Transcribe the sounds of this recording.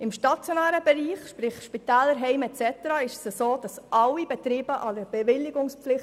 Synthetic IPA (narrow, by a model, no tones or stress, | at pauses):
ɪmʃtɑt͡sjonæːɾəb̥ɛɾiːχʃpɾɪχʃpit̪ɛːlːəɾɦɛɪmɛt͡sɛt̪əɾɑɪʃəsəsoːd̥ɑsʔɑwibɛt̪ɾiːbəʔɑdəɾb̥ɛvɪlːɪɡʊŋspflɪχ